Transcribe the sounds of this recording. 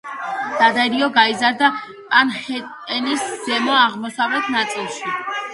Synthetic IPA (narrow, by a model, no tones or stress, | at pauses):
d̪̥ad̪aɾiɔɡaizaɾd̪a | anh | ɛnisz̥ɛmɔaʁmɔsavlɛt̪ʰnat̪sʼilˠʃi